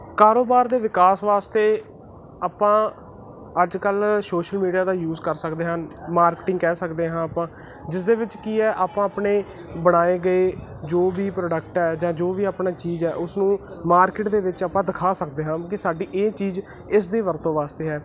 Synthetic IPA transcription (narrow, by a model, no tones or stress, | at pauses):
kaːɾoːbaːɾd̪eːʋɪkaːsʋaːst̪eː | aːpãː | əd͡ʒkəlsoːʃəlmiːɖijaːd̪aːjuːzkəɾsəkd̪eːɦənmaːɾkʈɪ̃ŋɡkɛːsəkd̪eːɦãːpãː | d͡ʒɪsd̪eːʋɪt͡ʃkiːɛːʔaːpãːəpɳeː | bəɽ̃aːeːɡəeːd͡ʒoːʋiːpɾoːɖəkʈɦɛːd͡ʒãːd͡ʒoːʋiːaːpɳaːt͡ʃiːzɛːʔʊsnũː | maːɾkɪʈd̪eːʋɪt͡ʃaːpãːd̪ɪkʰaːsək̚d̪eːɦãːkɪsaːɖiːʔeːt͡ʃiːz | ɪs̬d̪eːʋəɾt̪õːʋaːst̪eːɦɛː